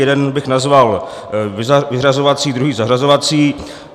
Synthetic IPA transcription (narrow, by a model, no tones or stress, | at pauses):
ɛdɛnbɪxnazval | ɪvɪrazovat͡siːdɾuɦiːzaɦrazovat͡siː